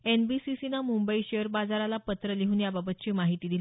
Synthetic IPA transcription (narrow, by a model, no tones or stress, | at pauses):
enbisisinamumbəiɕeəɾbad͡zaɾalapət̪ɾəliɦuːnjababət̪̚t͡ɕiːmaɦit̪iːd̪il